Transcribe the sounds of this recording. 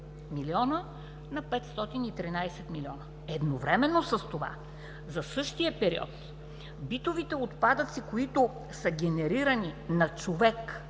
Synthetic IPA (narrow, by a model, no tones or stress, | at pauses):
miliɔnə | nɐpɛt̪st̪ɔt̪init̪ɾinajsɛt̪miliɔnə | ɛd̪novɾɛmɛnːosɐst̪ova̰ | zɐsɤʃt̪ijəpɛɾḭɔ̰t̪ | bit̪ovit̪ɛot̪pad̪ət̪sikoit̪o | səɡʲɛnɛɾiɾɐninɐt͡ʃovɛk